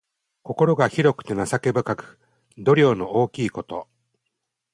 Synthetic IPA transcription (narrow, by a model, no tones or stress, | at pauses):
ko̞ko̞ɾo̞ɡaçiɾo̞kɯ̟̥t̪e̞nasake̞bɯ̟kakɯ̟̥ | d̪o̞ɾʲo̞ːno̞oːkʲiːko̞t̪o̞